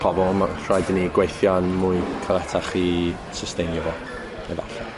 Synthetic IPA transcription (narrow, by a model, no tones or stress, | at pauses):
pʰɔblˠmakrajdniɡwejθjanmuɨkʰalˠɛtʰaχi | səstejnɔvɔ | ɛ̰va̰ɬɛ